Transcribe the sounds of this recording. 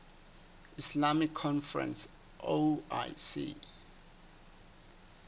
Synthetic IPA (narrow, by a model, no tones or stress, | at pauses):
islamikʰːɔ̃nfɛɹɛ̰̃ns | ʔoa̰jsḭ